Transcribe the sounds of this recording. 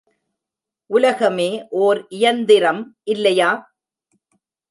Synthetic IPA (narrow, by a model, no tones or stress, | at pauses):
ʔʊlɐɣɐmeːʔoːɾʔɪjɐnd̪ɪɾɐmʔɪlːɐjaː